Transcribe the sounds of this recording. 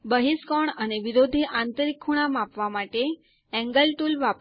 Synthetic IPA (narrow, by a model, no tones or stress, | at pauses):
bəɦiskɔɳəneʋiɾod̪ʱiʔãnt̪əɾikʰːuɽ̃amapʋamaʈe | ɛ̃ŋɡəlʈulʋap